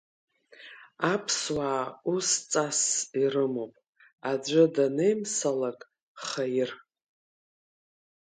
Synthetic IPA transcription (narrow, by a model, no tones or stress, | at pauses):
apʰswaːust͡sʼasiɾɨmopʼ | ad͡ʒʷʊdanejmsalakʼ | χajɪr